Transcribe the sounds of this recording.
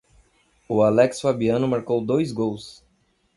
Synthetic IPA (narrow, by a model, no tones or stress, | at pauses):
ʊalɛksfabiɐ̃nʊmaɾkowd̪ojzɡows